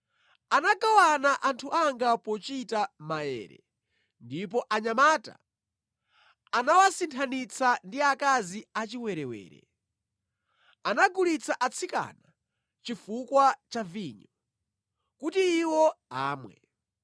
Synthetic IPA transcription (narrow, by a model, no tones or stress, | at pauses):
anaɡawanaʔantʰuʔaŋɡapɔt͡ʃitamaɛ̰ːɾɛ̰ | ndip̬ɔʔaɲamaːta̰ | anawasintʰanit͡sʰandiakaziat͡ʃiwɛɾɛwɛ̰ːɾɛ̰ | anaɡulit͡sʰaʔat͡sʰika̰na | t͡ʃifukwat͡ʃaviɲɔ | kutiːwɔa̰ːmwɛ̰